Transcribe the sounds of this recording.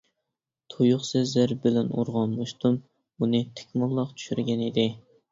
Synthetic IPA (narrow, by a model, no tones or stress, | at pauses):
t̪ʰojuχsɛzæɾbɪlɛnṵɾʁɑmːɑʃt̪um | unɨt̪ʰe̥kʲʰmɑlˠːɑqt͡ʃ̪ʰy̥ʃyɾɡʲɛnid̪ɪ